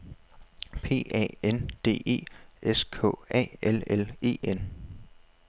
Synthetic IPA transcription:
pʰe̝̰ːɛ̰ːend̥e̝̰ːe̝̰ːʔeskʰɔ̰̽ːɛ̰ːelele̝̰ːen

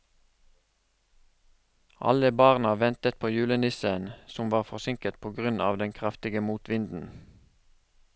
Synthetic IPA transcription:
ʔɑ̰ləbɑːʁnɑʋɛnt̪ət̪̚pʰoːjʉːlənɪsənsʊmʋɑːʁfɔʁsɪŋkət̪̚pʰoːɡʁʉnʔɑ̰ːʋd̪ɛŋkʰʁɑft̪ɪɡəmuːt̪ʋɪnd̪n̩

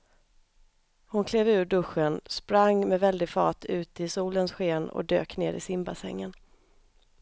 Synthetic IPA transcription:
hʊnkʰleːvʉ̟ːɖɵɧənspɾaŋmɛvɛld̪ɪɡfɑ̰ːt̪ʰʉ̟ːt̪ɪsuːlənsɧeːnɔ̰d̪øːknḛːɾɪ̰sɪmbasɛ̰ŋːən

